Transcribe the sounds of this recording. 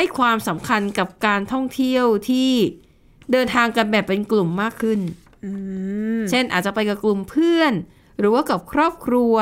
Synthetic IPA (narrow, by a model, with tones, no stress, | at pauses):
a˥˩jkʰwaː˧msa˩˦mkʰa˧nka˨˩p̚kaː˧nt̪ʰɔ˥˩ŋt̪ʰi˥˩əwt̪ʰiː˥˩ | dɤː˧nt̪ʰaː˧ŋka˧nbɛː˨˩pːe˧nklu˨˩mːaː˥˩kʰːɯ˥˩n | ɯː˧t͡ɕʰe˥˩nʔa̰ː˨˩t̪̚t͡ɕa˨˩pa˧jka˨˩klu˨˩mpʰɯ˥˩ən | ɾɯː˩˦waː˥˩ka˨˩p̚kʰɾɔː˥˩p̚kʰɾu˧ə